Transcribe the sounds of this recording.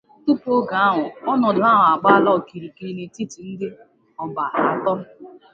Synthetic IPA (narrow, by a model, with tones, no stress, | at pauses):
tu˦po˦ɡa˨a˦ɦʊ˨ɔ˦nɔ˨dʊ˨a˦ɦʊ˨a˨k͡pa˦lɔ˦˨ki˨ɾi˨ki˨ɾi˦ni˨ti˦ti˨n̩˦de˦ | ɔ˨ba˨ɦa˦tɔ˦